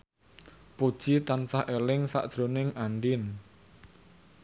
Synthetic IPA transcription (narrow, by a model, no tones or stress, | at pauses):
pod̥ʒ̥it̪ansaʔelɪŋsa̰ʔd̥ʒ̥ɾonɪŋaɳɖɪn